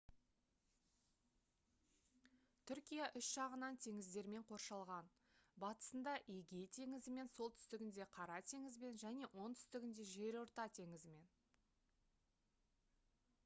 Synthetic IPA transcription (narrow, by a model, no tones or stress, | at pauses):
t̪ʰʏɾkʲijaʔʏsʒ̥ɑʁənɑnt̪ʰe̞ŋɪzd̪e̞ɾme̞ɴqʰo̞ɾʃɑlˠʁɑn | bɑt̪ə̥sənd̪ɑʔeɡʲe̞jt̪ʰe̞ŋɪzɪme̞nso̞lˠt̪ʰʏ̥st̪ɪɡʲɪnd̪e̞qʰɑɾɑt̪ʰe̞ŋɪzme̞nʒæne̞wʔo̞nt̪ʰʏ̥st̪ɪɡʲɪnd̪e̞ʒe̞ɾo̞ɾt̪ɑt̪ʰe̞ŋɪzɪme̞n